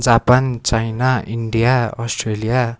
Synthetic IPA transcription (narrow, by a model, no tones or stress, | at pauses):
d͡zapant͡sajnaiɳɖijaʌsʈrelija